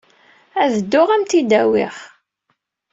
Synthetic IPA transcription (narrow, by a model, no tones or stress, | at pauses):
æðəd̪ːʊʁæmt̪id̪æwɪ̰χ